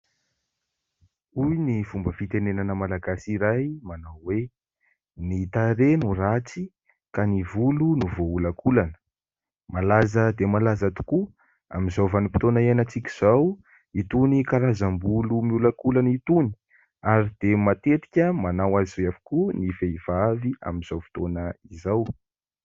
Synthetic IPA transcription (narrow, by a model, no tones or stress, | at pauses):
ujniv̥umbəfit̪enenanəmalaɡasiɾajmanawwe | nit̪aɾenurat͡si | kanivulunuvoulakʰulanə̥ | malazəd̪emalazat̪u̥ku | a̰mizawvanupi̥t̪onaianat͡sikʲiz̥aw | it̪unikaɾazambulumiulakulanit̪uni̥ | aɾid̪̥emat̪et̪i̥kʲəmanawazizeafu̥kunifeiv̥avia̰minz̥awfi̥t̪onəizaw